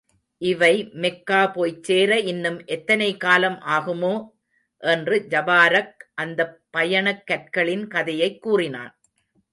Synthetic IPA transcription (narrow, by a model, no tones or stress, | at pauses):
ʔɪʋɐɪmɛkːaːpoːjt͡ʃːeːɾɐɪnːɯmʔɛt̪ːɐnɐɪkaːlɐmʔaːɣɯmoː | ʔɛndrɯd͡ʒɐbaːɾɐk̚ʔɐnd̪ɐpːɐjɐɳɐkːɐʈ̚kɐɭɪnkɐðɐjɐɪkːuːrɪna̰ːn